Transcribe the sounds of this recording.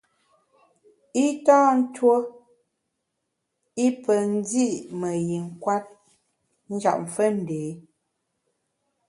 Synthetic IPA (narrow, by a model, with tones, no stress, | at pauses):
i˦taː˦n̩˦two˦ | i˦pə˨n̩˦d͡zi˦˨mə˨ji˨ŋ̩˨kwa˦t̚ | n̩˦d͡ʒa̰˨ʔ̚m̩˨fə˦n̩˨deː˨˦